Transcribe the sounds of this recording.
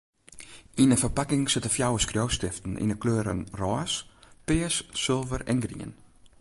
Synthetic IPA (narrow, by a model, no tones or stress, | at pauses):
inəfərpakɪŋsɪtəfjawəskrjowstɪftn̩ʔḭnəkløːɾə̰nrɔːspɪəsːølˠvərɛ̰nɡrḭə̰n